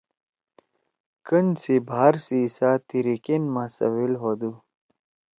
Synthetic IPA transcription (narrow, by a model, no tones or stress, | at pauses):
kənsibʱaːɾsisat̪iɾikenmãsɐ̰wilɦod̪u